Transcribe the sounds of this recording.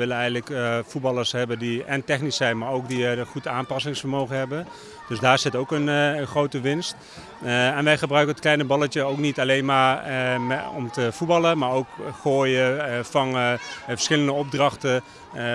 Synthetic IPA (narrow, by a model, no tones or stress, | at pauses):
ʋɪlənɛjɣəndləkfut̚bɑləɹshɛbəndiɛntɛχnisɛjnmaɹowkdiəχutaːnpɑsɪŋsfərmoːwɣənɦɛbən | d̥øsdaːɹsɪtowkənənχrowtəʋɪnst | ɛnʋɛjχəbrœɥkənətklɛjnəbɑlətjəowknitaleːnma | ɔ̰mtəfubɑləmaːɹowkχoːjəfɔnfərsχɪləndəɔb̚drɑxtə